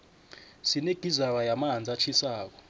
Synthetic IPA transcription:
sineɡ̥ʱizaw̬ajamaɦand͡zʱat͡ɬʰisaːk̬ɔ̥

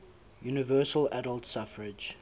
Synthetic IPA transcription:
juːnɪvɜːˑsəlædəlˠtsafəɹɪd͡ʒ

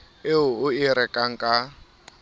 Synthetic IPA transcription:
eʊʊiɾɛkʼaŋ̩kʼa

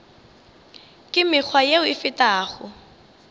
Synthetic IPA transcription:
kʼɪmɪk͡xʰwajeʊɪfɪtaːχʊ

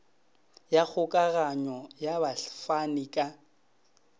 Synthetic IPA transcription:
jak͡xʊkʼaɣaɲɔjaβaɬfanikʼa

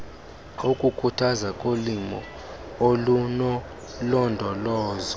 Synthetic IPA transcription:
ukʼukʰutʰazakʼolimɔ | olunɔ | lɔndʱɔlɔːzɔ

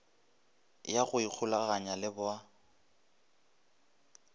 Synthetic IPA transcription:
jaɣʊik͡xʰʊlaɣaɲalɪbʊa

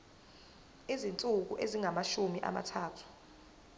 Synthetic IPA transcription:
izint͡sʼuk̬uʔeziŋamaʃumiʔa̰ma̰tʰaːtʰu̥

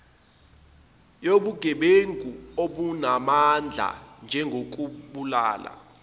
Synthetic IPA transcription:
joɓuɡ̥ʱɛɓeŋɡʼuoɓunamand͡ɮʱa̰nd͡ʒʱɛŋɡʱok̬ʼuɓula̰ːla̰

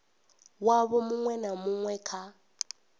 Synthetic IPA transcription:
waβɔmʊŋwɛnamuŋwɛkʰa

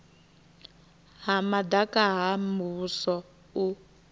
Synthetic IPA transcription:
ɦamadakaɦamusɔ | u

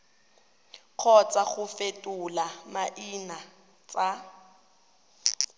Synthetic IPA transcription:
q͡χʰɔt͡sʼaɣʊfetʼʊlamaʔina | t͡sʼa

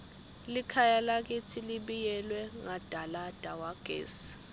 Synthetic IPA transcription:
likʰajalak̬itʰiliɓijɛlwɛŋad̥ʱalad̥ʱawaɡ̥ʱḛːs

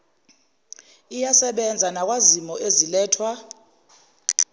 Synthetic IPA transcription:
ijasɛɓɛnd͡zʱanak̬ʼwazimɔʔezilɛːtʰwa

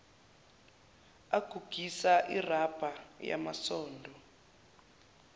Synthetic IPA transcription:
aɡ̥ʱuɡ̥ʱisaʔḭrab̥ʱaja̰masɔːndʱɔ

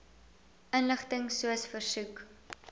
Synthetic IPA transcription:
ənləχtəŋsuəsfərsuk

